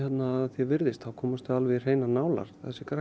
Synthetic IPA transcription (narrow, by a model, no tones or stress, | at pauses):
hɛt̪naðθjɛvɪɾðɪst̪θawkʰɔːmast̪ʏalvɪr̥eːjnanaːwla̰ɾ̥θaɛsɪkɾa